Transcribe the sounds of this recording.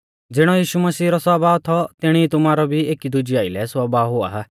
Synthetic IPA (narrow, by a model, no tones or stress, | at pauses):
d͡zɪɽ̃ɔjiːʃuməsiːɾɔsaːbaːt̪ʰɔt̪ɪɽ̃it̪ʊmaːɾɔbʱieːkid̪ud͡ʒiaːɪlɛsaːbaɦʊa̰ɦa